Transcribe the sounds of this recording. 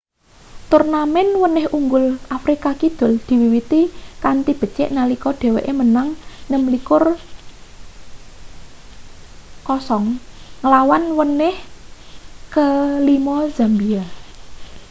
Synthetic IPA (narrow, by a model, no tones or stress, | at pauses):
t̪urnamɛnwənɪhuŋɡʊlʔafɾikakid̪̥ʊ̤ld̪̥i̤wiwit̪ikant̪ib̥ə̤t͡ʃɪ̰ʔnalikɔɖ̪̥e̤wḛʔemənaŋnəmlikʊr | kɔsɔŋŋəlawanwənɪh | kəlimɔzambia